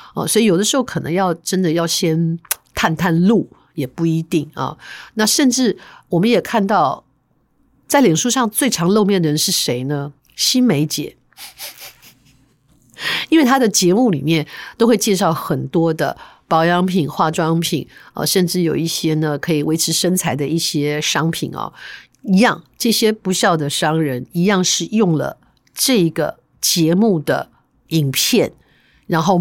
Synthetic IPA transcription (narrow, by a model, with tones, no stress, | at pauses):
ə̰˥˨swɔ˧˥i˨˩o˨˩d̪ə˦ʂɻ̩˧˥xo˥˩kʰɤ˨˩nɤ̰˧˥ŋjɑ˥˩ʊʈ͡ʂə˥nd̪ə˨jɑ˥˩ʊɕjɛ˥nt̪ʰa˥˧nt̪ʰa˥˧nlu˥˩ | jɛ˨˩pu˥˩i˧˥t̪i˥˩ŋɐ̰˩na˥˧ʂə˥˧nʈ͡ʂɻ̩˥˩wɔ˨˩mə˦njɛ˨˩kʰa˥˧nt̪ɑ˥˩ʊ | t͡sa˥˩ɪljɛ˨˩nʂu˥ʂɑ˥˧ŋt͡swe˥˩ɪʈ͡ʂʰɑ˧˥ŋlo˥˧ʊmjɛ˥˩nd̪ə˩ɻə˧˦nʂɻ̩˥˩ʂe˧˥ɪnə˧ | ɕi˥nme˧˥ɪt͡ɕjɛ˨˩˦ | i˥nwe˥˩ɪt̪ʰa˥d̪ə˨t͡ɕjɛ˧˥mu˥˩lḭ˨˩mjɛ˥˩nt̪o˥ʊxwe˥˧ɪt͡ɕjɛ˥˧ʂɑ˥˩ʊxə˨˩nt̪wɔ˥d̪ə̰˨pɑ˧˥ʊjɑ˧˥ŋpʰi˨˩˦nxwa˥˩ʈ͡ʂwɑ˥ŋpʰḭ˨˩˦nə̰˧ʂə˥˧nʈ͡ʂɻ̩˥˩jo˨˩ʊi˥˩ɕjɛ˥nə˨kʰɤ˧˥i˨˩we˧˥ɪʈ͡ʂʰɻ̩˧˥ʂə˥nt͡sʰa˧˥ɪd̪ə˧i˥˩ɕjɛ˥ʂɑ˥ŋpʰḭ˨˩nɐ̰˩˦ | i˧˥jɑ˥˧ŋʈ͡ʂɤ˥˩ɕjɛ˥pu˧˥ɕjɑ˥˩ʊd̪ə˩ʂɑ˥ŋɻə˧˥ni˧˥jɑ˥˧ŋʂɻ̩˥˧jʊ˥˩ŋlə̰˩ | ʈ͡ʂɤ˥˩i˧˥ɡə̰˩ | t͡ɕjɛ˧˥mu˥˩d̪ə̰˩ | i˨˩ŋpʰjɛ˥˩n | ɻa˧˥nxo˥˩ʊ